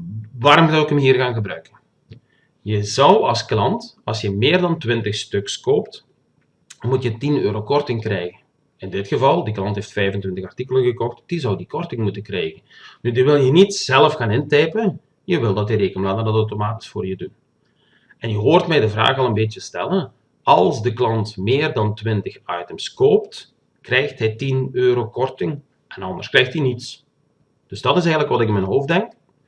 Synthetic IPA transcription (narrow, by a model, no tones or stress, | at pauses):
ʋaːɾɔmzɔwɪkəmɦiːrɣaːnɣəbrœɥkən | jəzɑwɑ̰lˠsklɑntɑ̰lˠsjəmɪːrdɑntʋɪntəxstɵkskoːpt | mutjətinøːɾoːkɔrtɪŋkrɛjɣən | ɪndɪtxəvɑlˠdiklˠɑntɦeːftfɛjvəntwɪntəxɑrtikələnɣəkɔxtd̥izɔwdikɔrtɪŋmutəkrɛːjɣən | dydiʋɪlˠjənitz̥ɛləfxaːnɪntɛjpə | jəʋɪlˠdɑtəɾeːkənlaːdəndɑtɔwtomaːti̥sfoːrjədun | ɛnjəɦoːrtmɛjdəvra̰ːxɑlˠənbeːtjəstɛ̰lən | ɑlˠzdəklɑntmɪːrdɑntʋɪntəxɑjtəmskoːpt | krɛjxtɦɛjtinøːɾoːkɔrtɪŋ | ʔɛnɑnd̪ə̰rskrɛjxtinits | d̥ɵzdɑtɪs̬ɛjɣənləkʋɑtɪkɪnmɛnɦoːfdɛŋk